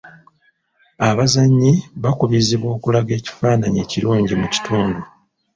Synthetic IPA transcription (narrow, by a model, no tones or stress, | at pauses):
aβazaɲːiβakuβiziβwo̞ːkulaɡe̞ːci̥faːnaɲe̞ːciɾuːɲɟimuci̥tʰuːndu